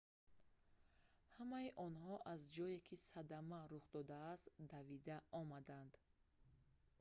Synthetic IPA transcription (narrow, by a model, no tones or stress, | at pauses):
hamaiʔɔnhɔʔazd͡ʒɔekʰisad̪amaɾuχd̪ɔd̪aːst̪d̪avid̪aɔmad̪and̪̥